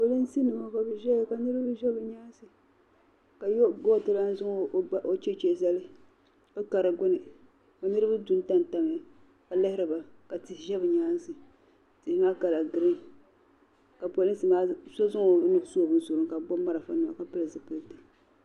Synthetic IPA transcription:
po˨lɨ˦n˦si˦nɨ˨ma˦ka˨bɨ˦ʒɛ˦˨ka˨nɨ˦ɾɨ˦bɨ˦ʒɛ˦bɨ˨ɲaː˦n˦sɨ˨ | ka˨jɡo˦˨tɨ˦la˦n˦zʊ˦˨˦ʔo˦t͡ʃe˦t͡ʃe˦˨za˦lɨ˦ | ka˦ka˨ɾɨ˨ɡʊ˦nɨ˨ | ka˨nɨ˦ɾɨ˦ba˦du˦n˦ta˦n˨ta˨ŋ˦a˨ | ka˨lɨ˦hɪ˦ɾɨ˨ba˨ka˨tɨ˦˨ʒɛ˦bɨ˨ɲaː˦n˦sɨ˨ | tɨ˨hŋa˦ka˨la˨ɡɨ˨ɾɨ˦ŋ | ka˨po˨lɨ˦n˦sɨ˨maː˦sɔ˦zʊ˦ŋo˨˦nɨ˦bsu˦o˨bɨ˦n˦so˨ɾʊ˨ŋka˨bɔ˦mːa˦ɾa˨fa˦nɨ˨ma̰˨ka˨pɨ˦lɨ˨zɨ˨pɨ˨˦˨tɨ˨

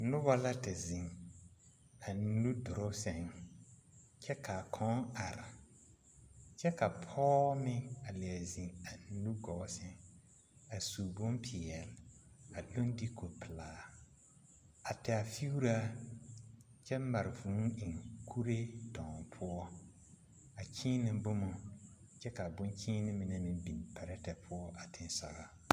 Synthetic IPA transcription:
nʊ˦ba˦la˦ta˨zĩ˨ŋ | a˨n̩˦nu˦dʊ˨ɾʊ˦sɛ˦ŋ | t͡ʃɛ˦kʰa˨kʰɔ̃˦ŋa˨ɾɪ˨ | t͡ʃɛ˦ka˨pʰɔː˦mɪ̃˦a˨lɪ˨a˨zĩ˨ŋa˨n̩˦nu˦ɡɔ˨˦sɪ˦ŋ | a˨su˨bʊ̃˦mpʰɪ˨ɛ˨la˨dʊ̃˦ndi˦kʰo˨pʰɪ˨laː˨ | a˨tʰɛ˨a˨fi˦u˦ɾa˦ | t͡ʃɛ˦ma˨ɾɪ˨vũ˨˦ɪ˨ŋkʰu˦ɾe˦dɔ̃˨ŋpʰʊ˦ɔ˦ | a˨kʰiː˦nɪ̃˨m˦bʊ˦mʊ˨ | t͡ʃɛ˦ka˨bʊ̃˦nkʰĩː˦nɪ̃˦mɪ˨ne˦mɪ̃˨bi˨npʰɛ˨ɾɛ˦tɛ˨pʰʊ˦ɔ˦ʔa˨tʰɪ̃˨n˦sa̰˨ɣa˦

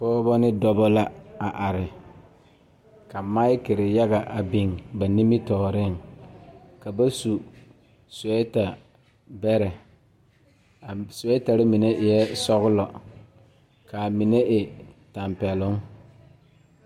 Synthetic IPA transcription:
pɔː˦bɔ˦nɪ˦dɔ˦bɔ˦la˦a˨ʔa˨ɾɪ˨ | ka˨ma˦ɪ˦kɪ˨ɾɪ˨ja˦ɡa˨ʔa˨bi˨ŋba˨ni˦mɪ˦tɔː˨ɾɪ˦ŋ | ka˨ba˦su˨ | sɛ˦ta˨ | bɛ˦ɾɛ˨ | sʊ˨ɛ˦ta˨ɾɪ˦mɪ˨ne˦ʔɪ˨jɛ˦sɔ˦ɣʊ˦lɔ˨ | ka˨mɪ˨ne˦ʔɪ˨ta˨mpɛ˨lʊ˦ŋ

